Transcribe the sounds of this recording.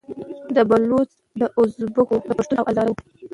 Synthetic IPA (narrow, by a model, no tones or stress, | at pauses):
d̪əbalot͡s | d̪əʔʊzbəkod̪əpaʂt̪unawʔazɑɾaw